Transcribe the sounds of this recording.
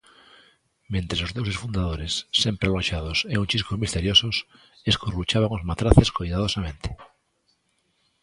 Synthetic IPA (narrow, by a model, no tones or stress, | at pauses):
mẽnt̪ɾesozðows̬esfund̪aðoɾesːempɾealoʃaðoseunt͡ʃiskozmist̪e̞ɾjosos | eskurut͡ʃaβ̞aŋozmat̪ɾaθeskojðað̞osamẽ̞nt̪ʰe̥